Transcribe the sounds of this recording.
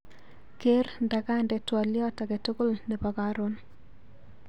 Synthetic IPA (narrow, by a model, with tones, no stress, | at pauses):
ke˦rnda˨ka˦ndɛ˨twɔ˨ljɔ˦ta˨ɡe˨to˦ko˦˨lne˨pa˨ka˦ɾo˦n